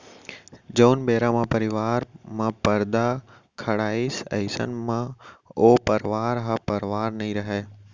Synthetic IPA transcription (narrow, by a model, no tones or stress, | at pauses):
d͡ʒoːnbeːɾamãpəɾɪʋaːɾmãːpəɾd̪a | kʰəɽaːiːsə̰ɪsə̰nmãːoːpəɾʋaːɾɦãpəɾʋaːɾnɐɦĩɾɐɦeː